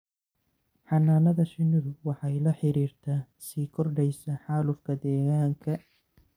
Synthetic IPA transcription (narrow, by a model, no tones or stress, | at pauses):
ħɑnaːnɐðɐsɪnɪðʊwɑħɑjlɐħɪɾiːrt̪ʰaː | siːkʰɔrɖɛjsɐħɑːlʊfkʰɐd̪ɛːɣaːŋkʰɐ